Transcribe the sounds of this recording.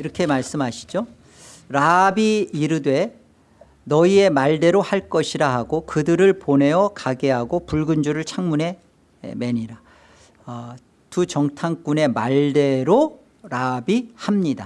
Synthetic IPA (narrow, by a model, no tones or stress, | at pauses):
iɾʌkʰe̞maɭs͈ɯmɦaɕʰi̥d͡ʑo | ɾabiːɾɯdwe̞ | nʌie̞maɭde̞ɾohaɭk͈ʌɕʰiɾaɦaɡokɯdɯɾɯɭpone̞jʌkaɡe̞ɦaɡopuɭɡɯnd͡ʑuɾɯɭt͡ɕʰaŋmune̞ | ḛme̞ɲiɾa | tut͡ɕʌŋtʰaŋk͈une̞maɭde̞ɾo | ɾabihamɲida